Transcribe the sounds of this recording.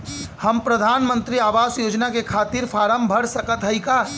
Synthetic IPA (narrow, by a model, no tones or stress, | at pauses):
həmpɾəd̪ʱaːnmə̃nt̪ɾiaːʋaːsjoːd͡ʒnakekʰaːt̪iɾpʰaːɾəmbʱəɽsəkət̪ɦəika